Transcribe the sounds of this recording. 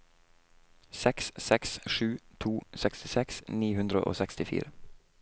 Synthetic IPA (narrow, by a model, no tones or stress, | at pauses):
sɛkssɛksʃʉːt̪ʰuːsɛkst̪ɪsɛksniːhʉnd̪ɾə̰ʔo̰ːsɛkst̪ɪfḭːɾə